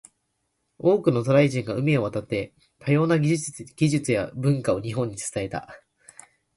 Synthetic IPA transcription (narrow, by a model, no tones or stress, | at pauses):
o̞ːkɯ̟not̪o̞ɾaiʑĩŋɡaɯ̟mʲio̞β̞at̪at̪ːe̞ | t̪ʰajo̞ːnaɡ̥ʲiʑɨt͡sɨjabɯ̟̃ŋkao̞ɲ̟iɦõ̞ɲ̟ːit͡sɨ̥t̪ae̞t̪a̰